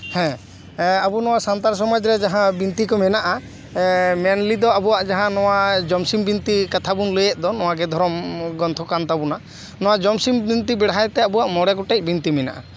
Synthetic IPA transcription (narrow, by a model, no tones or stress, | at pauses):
hɛ̃ | abunɔwasant̪aɾs̬ɔmad͡ʒɾɛd͡ʒaɦãbint̪ikɔmɛnaʔa | mɛnlid̪ɔabuaʔd͡ʒaɦãnɔwad͡ʒɔmsimbint̪ikat̪ʰabunləjɛʔ̚d̪ɔnɔwaɡɛd̪ʱɔɾɔmɡɔnt̪ʰɔkant̪abuna | nɔwad͡ʒɔmsimbint̪ibɛɽajt̪ɛabuaʔmɔɽɛkɔʈɛc̚ˀbint̪imɛna̰ʔa̰